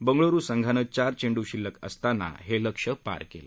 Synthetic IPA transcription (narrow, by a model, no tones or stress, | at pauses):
bəŋɡɭoɾuːsəŋɡʱanət͡ɕaɾt͡ɕeɳɖuɕilːəkə̰st̪ana̰ɦeləkʂəpa̰ɾkḛlə̰